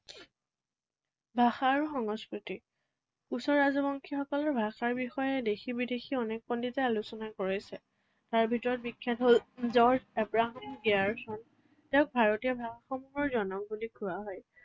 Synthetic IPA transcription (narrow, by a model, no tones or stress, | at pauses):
bʱaxaːɹuxɔŋɔskɹiti | kusɔɹazɔbɔŋkʰixɔkɔlɔɹbʱaxaɹbixɔjɛdexibidexiɔnɛk̚pɔnditɛalusɔnakoɹisɛ | taɹbʱitɔɹɔt̚bikʰːɛtɦolzɔɹd͡ʒɛbɹaɦamɡiaɹsɔn | tɛʊ̃k̚bʱaɹɔtijɔbʱaxaxɔmuɦɔɹzɔnɔk̚bulikʰuɹaɦɔj